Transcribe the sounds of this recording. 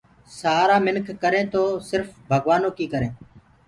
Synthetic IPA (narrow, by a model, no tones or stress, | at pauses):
saːɾaːmɪnkʰːəɾẽːt̪oːsɪɾfbʱəɡʋaːnoːkiːkəɾẽː